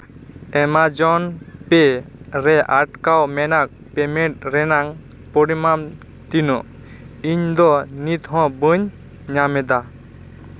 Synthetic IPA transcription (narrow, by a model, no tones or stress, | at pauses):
ɛmad͡ʒɔnpɛɾɛʔaʈ̚kawmɛnak̚ | pɛmɛʈ̚ɾɛnaŋ | pɔɽimam | t̪inɔ | iɲd̪ɔnit̪ɦɔ̃bɯɲ | ɲamɛd̪a